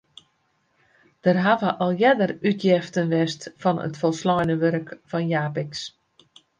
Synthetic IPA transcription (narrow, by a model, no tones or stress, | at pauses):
d̥ərɦaʋəʔɔlˠjɛdərytjɛftənʋɛstfɔnə̰tfɔlˠslɔjnəʋøɾəkfɔnjaːpɪks